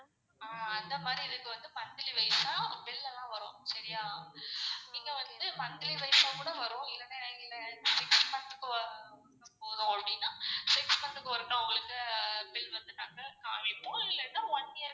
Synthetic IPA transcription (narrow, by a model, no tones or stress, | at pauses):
aɐnd̪ɐmaːd̪ɾiɛðɯkːɯʋɐnd̪ɯpɐnd̪ɪliʋɐɪsaːpɪlːɐlːãːʋɐɾõ̰ːsɐɾɪjaː | niːŋɡɐʋɐnd̪ɯpɐnd̪ɪliʋɐɪsakuːɽɐʋɐɾõːɪlːɐneɪlːɛsɪkspɐnt̪ɯkːɐʋɐ | poːðõɐpːɐɽɪnːaːsɪkspɐɳt̪ɯkːɐʋɐɾɯkːãʊŋɡɐɭɯkːɯpɪlʋɐnd̪ɯnaːŋɡɐkːã̰ːɪpːoːɪlːɐnːãɔnːɪjɐɾ